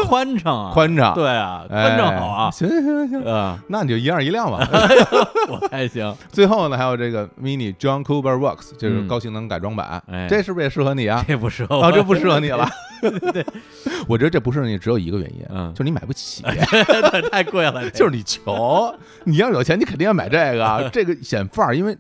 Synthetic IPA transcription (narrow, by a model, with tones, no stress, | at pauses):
kʰwa˥nʈ͡ʂʰɑ˧˩ŋ˧kʰwa˥nʈ͡ʂʰɑ̰˧˩ŋt̪we˥˩ɪɐ̰˩ea˥˩nʈ͡ʂʰɑ˧˩ɑ˨˦ʊ˧ɕi˧˥ŋ˥ɕi˥ŋ˥ɕi˧˥˧na˥˩ni˨˩t͡ɕo˥˩ʊi˧˥a˞˥˩i˧˥ljɑ˥˩ŋmɐ̰˨ | wɔ˨˩a˥ɪɕi˥ŋt͡swe˥˧ɪxo˥˩ʊnə˩xa˧˥ɪjo˨˩ʊʈ͡ʂɤ˥˩ɡə˩mi˧˥ni˨˩ʈ͡ʂwɑ˥ŋkʰu˥bə˧wɔ˥˩kst͡ɕje˥˧ʊ˥˧˩kɑ˥ʊɕi˧˥˩ŋnɤ˧˥ŋka˨˩ɪʈ͡ʂwɑ˥ŋpa̰˨˩˦n̰˦˧˩ʈ͡ʂe˥˧ʂɻ̩˥˧pe˥˧ɪʂɻ̩˥˩xɤ˧˥ni˨˩ɐ˧e˥˩pu˧˥ʂɻ̩˥˩˧ɑ˧˩ʈ͡ʂpu˧˥ʂɻ̩˥˩xɤ˧˥ni˨˩lɐ˧ | wɔ˨˩t͡ɕɥɛ˧˥d̪ə˧ʈ͡ʂpu˧˥ʂɻ̩˥˩ɤ˧˥i˨˩ʈ͡ʂɻjo˨˩ʊi˧˥ɡə˧ɥɛ̰˧˥njḭ˧˥n˧o˥˧ʂ̩˥˧nː˧ma˨˩pu˥˩t͡ɕʰii˨˩˦t̪ʰa˥˧ɪkwe˥˩ɪlə˧t͡ɕʊʂɻ̩˥ni˨˩t͡ɕʰjo˧˥ʊ | ni˨˩jɑ˥˩jt͡ɕʰni˧kʰə˨˩d̪i˥˧jɑ˥˩a˨˩ɪʈ͡ʂe˥˩ɡə˩ʈ͡ʂɤ˥˩ɡə˩ɕjɛ˨˩nfa˞˥˩i˥nwe˥˩ɪ